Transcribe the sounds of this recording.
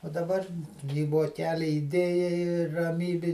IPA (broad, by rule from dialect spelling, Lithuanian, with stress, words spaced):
oː dɐˈbɐr iː ʋoːˈkʲæːlʲɪ ɪˈdʲeːjɛɪ ɪr rɐˈmʲiːbʲɪ